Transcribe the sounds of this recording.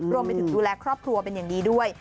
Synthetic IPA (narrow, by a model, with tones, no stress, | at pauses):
ɾu˧mpa˧t̪ʰɯ˨˩˦duː˧lɛː˧kʰɾɔː˥˩p̚kʰɾu˧ɐpe˧njaː˨˩ŋdiː˧du˥˩əj